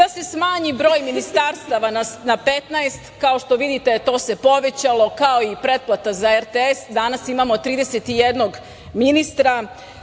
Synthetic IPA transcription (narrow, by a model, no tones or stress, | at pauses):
ase̞smaːɲibɾo̞ːjminist̪aːɾst̪aʋananape̞t̪naest̪kao̞ʃt̪o̞ʋid̪it̪ejet̪o̞ːse̞po̞ʋe̞t͡ɕalo̞kaoipɾe̞d̪̚plˠat̪azaeɾt̪eesd̪anasimaːmo̞t̪ːɾiːd̪eset̪ijed̪no̞ɡ | minist̪ɾa